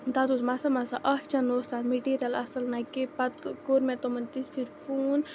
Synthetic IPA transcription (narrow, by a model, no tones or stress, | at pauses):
d̪at̪usmasɐmɐsaʔɐht͡ʃɐnost̪anmeʈiːɾʲɐlɐsɐlnakepɐt̪koɾmẽt̪omɐnt̪ispʰiɾfuːn